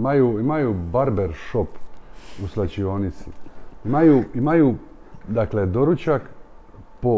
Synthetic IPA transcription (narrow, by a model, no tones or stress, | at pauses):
majuimajubaɾbeɾʃopuslat͡ɕionit̪siimajuimaju | d̪akle̞d̪o̞ɾut͡ɕak | po